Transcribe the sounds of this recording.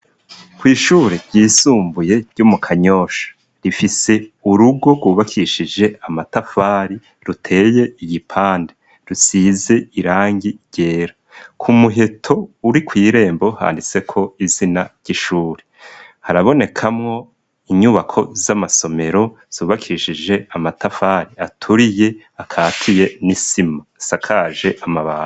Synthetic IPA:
kwiːʃuːɾeɾɟiːsuːmbuje̞ɾɟ̥umukʰaɲo̞ːʃḁ | ɾifise̞uɾuɡo̞ɡwuːβakʰiʃid͡ʒe̞amatafaːɾi | ɾutʰe̞ːje̞iɟipʰaːnde | ɾusize̞iɾaːŋɡiɟ̥e̞ːɾa | kʰumuɦe̞tʰo̞uɾikwiːɾe̞ːmbo̞ha̰ːndit͡se̞kʰo̞izinaɾɟ̥iʃuːɾe | haɾaβo̞ne̞kʰamŋo̞ | iɲuβakʰo̞zamaso̞me̞ɾo̞ | z̥uːβakʰiʃid͡ʒe̞amatafaːɾiatʰuɾije̞ | akʰaːtʰije̞nisimasakʰaʒe̞ʔamaβa̰ː

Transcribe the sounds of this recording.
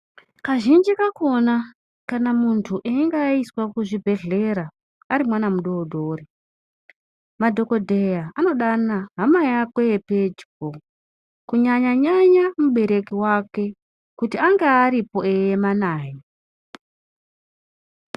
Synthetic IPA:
kaʒind͡ʒikako̞na | kanamuntʰuʔeiŋɡaiswakuʐibʱe̞ɮe̞ɾa | aɾimwanamuɗodʱo̞ːri | madʱo̞ko̞dʱe̞jaano̞ɗanaɦamajakweeped͡ʒibo | kuɲaɲaɲaɲamuɓe̞ɾe̞kiwake̞ | kutiaŋɡeaɾipo̞ejemanaːje

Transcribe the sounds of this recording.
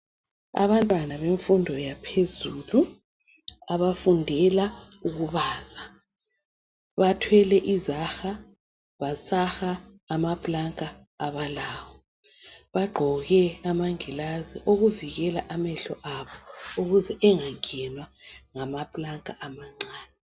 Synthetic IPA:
a̰βantʼwanaβeɱfundʱɔjapʰezulu | aβafundʱɛlauɣuβaːza | βatʰwɛlɛʔizaxa | βasaxaːmapʼlaŋkʼaː | βalaːwɔ | βaɡ͡ǃʱɔɣɛamaŋɛlazḭʔoɣuviɣɛlaʔamɛɬɔʔaβɔuɣuzɛʔɛŋaŋʱɛnwaŋamapʼlaŋkʼaʔamaŋ͡ǀaːnɛ

